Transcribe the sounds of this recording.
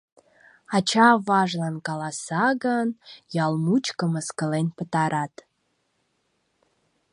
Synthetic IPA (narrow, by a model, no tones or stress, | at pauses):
ɑt͡ɕɑβɑʒlɑnkɑlɑsɑɣənjɑlmut͡ɕkəməskəlenpət̪ɑɾɑt̪